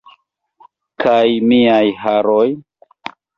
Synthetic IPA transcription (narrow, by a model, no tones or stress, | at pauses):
kʰajmiajhaɾoj